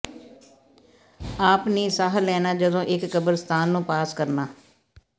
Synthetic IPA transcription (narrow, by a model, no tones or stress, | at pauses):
aːpniːsaːɦlɛːnaːd͡ʒəd̪õːʔɪkːəbəɾst̪aːnːũːpaːskəɾnaː